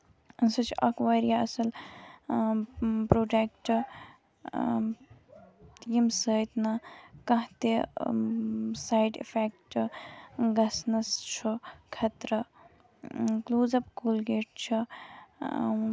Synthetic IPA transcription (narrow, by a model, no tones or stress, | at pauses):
sɐt͡ʃʰʔɐ̰kʋaɾijaɐsɐl | pɾoːɖekʈ | t̪iimsəːjt̪nakɐ̃ɦt̪e | saːjɖḭpʰek̚ʈ | ɡɐsnɐst͡ʃʰukʰɐt̪ɾɐ | kluːzɐbkulɡeːʈ̚t͡ʃʰḭ